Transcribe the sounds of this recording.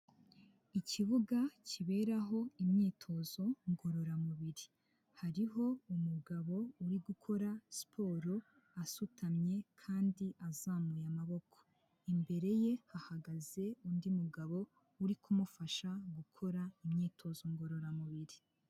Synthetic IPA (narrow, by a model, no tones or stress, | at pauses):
icʰiβuɡaciβe̞ːɾaɦo̞imɲiːtʰo̞zo̞ŋɡo̞ɾo̞ɾamuβiɾi | haɾiɦo̞umuɡaβo̞uɾiɡukʰo̞ɾaspʰo̞ɾo | asutʰamɲe̞kʰaːndiʔazaːmujamaβo̞kʰo̥ | imbe̞ɾe̞je̞hahaɡaze̞undimuɡaβo̞ | uɾikumufaʃaɡukʰo̞ɾaimɲiːtʰo̞zo̞ŋɡo̞ɾo̞ɾamuβiɾi